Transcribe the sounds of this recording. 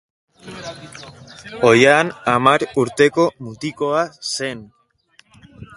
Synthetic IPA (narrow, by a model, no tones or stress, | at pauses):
o̞janamaɾuɾt̪e̞ko̞mut̪iko̞ase̞n